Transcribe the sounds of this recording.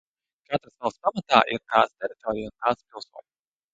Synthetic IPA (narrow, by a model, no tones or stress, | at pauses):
kat̪ɾɨsnawspamat̪aːʔiɾt̪aːst̪ʲɛɾit̪ɔːɾijunt̪aːt̪spʲilˠsuɔnʲ